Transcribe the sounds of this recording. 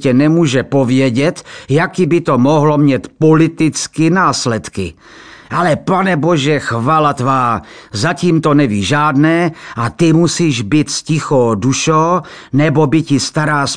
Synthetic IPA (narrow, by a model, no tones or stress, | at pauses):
cɛnɛmuːʒɛpo̞vjɛɟɛt̪jakɪbɪt̪omoɦlomɲɛt̪polɪt̪ɪt͡skɪnaːslɛt̪kɪ̰ | ʔalɛpanɛbo̞ʒɛxvaːlat̪vaːzaciːmt̪o̞nɛviːʒaːdnɛːʔat̪ɪmusiːʒbɪt̪scɪxoːduʃow | nɛbo̞bɪcɪst̪aɾaːs